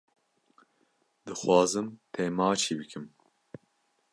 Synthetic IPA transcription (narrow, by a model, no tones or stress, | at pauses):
d̪ɨxwɑːzɨmt̪ʰeːmɑːt͡ʃʰiːbɨkʰɨm